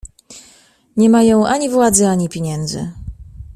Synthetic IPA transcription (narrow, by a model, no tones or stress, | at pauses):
ɲɛmajɔ̃w̃ʔaɲivwad̪zɘaɲipʲjeɲɛnd̪zɘ̰